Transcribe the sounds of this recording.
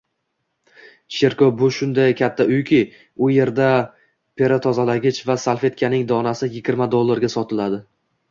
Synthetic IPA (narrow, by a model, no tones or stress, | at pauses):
ʃeɾkɒbʊʃʊnd̪ajkʲʰat̪ʰːaʔʊjkʲʰɪ | ʊje̞ɾd̪a | pʰe̞ɾat̪ʰɒzalaɡʲɪt͡ʃvasalˠfe̞t̪̚kʲʰanɪŋd̪ɒnasɪjɪɡʲɪɾmad̪olˠːaɾɡʲasɒt̪ʰɪlad̪ɪ